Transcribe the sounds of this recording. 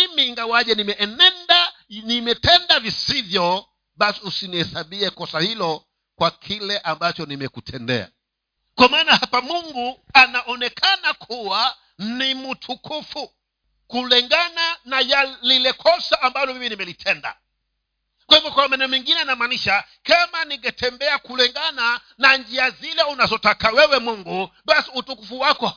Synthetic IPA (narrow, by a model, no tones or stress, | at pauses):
mimiŋɡawaʄɛnimɛʔɛnɛnda | nimɛtɛndavisivjɔ | ɓasiusinihɛsaɓiɛkɔsahilɔ | kwakʰilɛʔambat͡ʃɔnimɛkutʰɛndɛ̰a̰ | kwamaːnahapamuŋɡuanaʔɔnɛkʰanakʰuwa | nimutʰukʰufu | kulɛŋɡananajallilɛkʰɔsaːmbalɔvivinimɛlitʰɛnda̰ | kwahivɔkwamɛnɛmiŋɡinɛanamaːniʃa | kamaniŋɡatʰɛmbɛakulɛŋɡana | naɲd͡ʒiazilɛunazɔtakawɛwɛmuŋɡuɓasiutukufuwakɔ